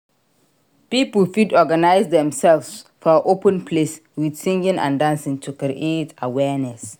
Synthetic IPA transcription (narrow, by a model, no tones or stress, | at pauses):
pipəlfidɔɡanaɪzdɛ̃msɛlvsfɔʔopʰə̃npʰles | wid̥sĩŋɡə̃nã̰ndãnsɪ̃ŋtʰukɾiʔetʰawɛnɛs